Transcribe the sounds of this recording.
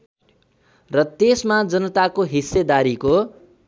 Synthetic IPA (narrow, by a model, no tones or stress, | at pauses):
rʌt̪esmad͡zʌnʌt̪akoɦisːed̪aɾiko